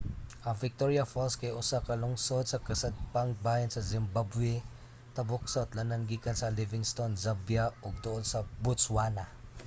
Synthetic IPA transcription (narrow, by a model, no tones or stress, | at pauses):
ʔɐvɪk̚t̪oɹjɐfolskɐjʔʊsakɐlʊŋsod̪̚sɐkɐsɐd̪̚paŋbajɐnsɐzɪmbabwɛ | t̪ɐbʊk̚sot̪lɐnɐnɡiːkɐnsɐlɪvɪŋst̪onzabjaɔɡ̚t̪ʊʔod̪sɐbʊtswanɐ